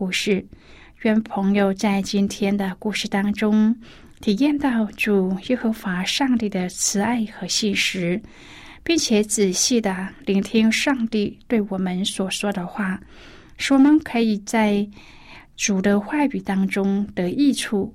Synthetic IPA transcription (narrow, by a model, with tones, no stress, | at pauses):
u˥˧ʂɻ̩˥˩ | ɥɛ˥npʰɤ˧˥ŋjo˨˧ʊt͡sa˥˩ɪt͡ɕi˥nt̪ʰjɛ˥nd̪ə˨ku˥˧ʂɻ̩˥˩t̪ɑ˥ŋʈ͡ʂʊ˥ŋ | t̪ʰi˨˩jɛ˥˧nt̪ɑ˥˩ʊʈ͡ʂu˨˩jɛ˥xɤ˧˥xwa˧˥ʂɑ˥˧ŋt̪i˥˩d̪ə˩t͡sʰɹ̩˧˥a˥˩ɪxɤ˧˥ɕi˥˩nʂɻ̩˧˥ | pi˥˩ŋt͡ɕʰjɛ˨˧˥t͡sɹ̩˨˩ɕi˥˩d̪ə˩li˧˥ŋt̪ʰi˥ŋʂɑ˥˧ŋt̪i˥˧t̪we˥˩ɪwɔ˨˩mə˦nswɔ˨˩ʂwɔ˥d̪ə˨xwa˥˩ | ʂwɔ˥mə˧˩ŋkʰɤ˧˥i˨˩t͡sa˥˩ɪ | ʈ͡ʂu˨˩d̪ə˦xwa˥˩y˨˩t̪ɑ˥ŋʈ͡ʂʊ˥ŋt̪ɤ˧˥i˥˧ʈ͡ʂʰu˥˩